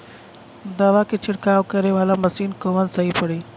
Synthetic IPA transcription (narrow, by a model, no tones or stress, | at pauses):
d̪aːʋakʰet͡ɕʰɪɽkaːʋkɐɾeʋaːlamɐsiːnkoʋənɪ̆sɐɦipɐɽiː